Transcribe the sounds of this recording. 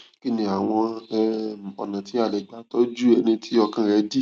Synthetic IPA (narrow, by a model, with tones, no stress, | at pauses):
ki˦nĩ˧a˨w̃ɔ̃˧˦ | ɔ̰˨nã˨tʰi˨˦a˦˨lɛ˨ɡ͡ba˨˦tɔ˦d͡ʒu˦ɛ˧nĩ˧tʰi˦ɔ˧kã˦˨ɾɛ˧˦di˦